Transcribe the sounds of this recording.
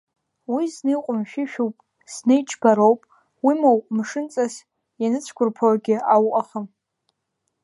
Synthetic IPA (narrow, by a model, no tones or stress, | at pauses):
wiznejqʷʼʊmʃᶣɪʃᶣowpʼ | z̥nejt͡ʃʰʼbaɾowpʼ | wimowʼmʂɨnt͡sʼas | janɨt͡sʷʰkʷʰʊrpʰawaɡʲɪawqʼaχəm